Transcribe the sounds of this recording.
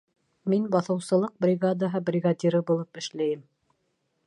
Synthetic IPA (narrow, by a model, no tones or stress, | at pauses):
minbɑθɤ̆wsɤ̆lˠɤq̚brʲɪɡad̪aɦɤbrʲɪɡad̪ʲiɾɤbulˠɤpɘ̆ʃlæjɘm